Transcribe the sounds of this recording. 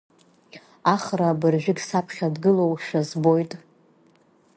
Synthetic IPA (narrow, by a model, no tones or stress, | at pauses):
aχrabɨrʒᶣɪɡʲsapʰχʲadɡɨlo̞wʂazbo̞jtʼ